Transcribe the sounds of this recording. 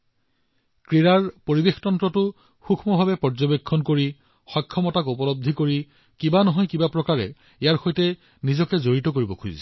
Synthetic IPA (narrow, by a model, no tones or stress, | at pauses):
kɹiɹaɹpoɹibextɔntɹɔtʊ | xukʰmɔbʱabɛpɔɹd͡ʒɔbekʰːɔnkoɹi | xɔjkʰːɔmɔtakupɔlɔb̚d̪ʱikoɹi | kibanɔɦɔjkibapɹɔkaɹɛ̰ | ijaɹxojtɛ | nizɔkɛzoɹitɔk̬oɹibɔkʰuzḭsɛ